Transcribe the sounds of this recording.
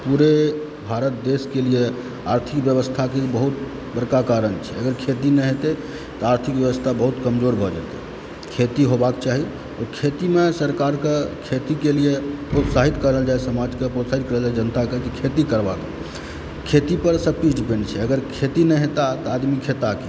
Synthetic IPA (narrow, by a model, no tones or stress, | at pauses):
puɾe | bʱaɾət̪̚d̪eskelie | aɾt̪ʰikbjəβəst̪ʰakebəɦut̪ | bəɾkakaɾənt͡ʃʰɛəɡəɾkʰet̪inɛɦet̪e | t̪ɔaɾt̪ʰikjəʋəst̪ʰabəɦut̪kəmd͡ʒoɾbʱɔd͡ʒa̰t̪ɛ̰ | kʰet̪iɦobakt͡ʃaɦi | ɔkʰet̪imesəɾkaɾkekʰet̪ikeliepɾot̪saɦit̪kəɾəld͡ʒaesəmad͡ʒkepɾot̪saɦit̪̚kəɾəld͡ʒaɛd͡ʒənt̪akekikʰet̪ikəɾbak | kʰet̪ipəɾsək̚ʈisɖipẽɳɖt͡ʃʰɛəɡəɾkʰet̪inɛɦet̪at̪ɔad̪mikʰet̪ake